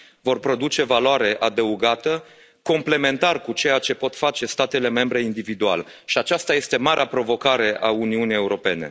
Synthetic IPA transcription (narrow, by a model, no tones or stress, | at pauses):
vo̞rpɾo̞d̪ut͡ʃe̞valoaɾe̞ʔad̪əuɡat̪ə | ko̞mple̞me̞nt̪arkut͡ʃe̞jat͡ʃe̞po̞t̪fat͡ʃe̞st̪at̪e̞le̞me̞mbɾe̞ind̪ivid̪ua̰lʃiat͡ʃast̪aje̞st̪e̞maɾeapɾo̞vo̞kaɾe̞ʔauniunije̞uɾo̞pe̞ne̞̰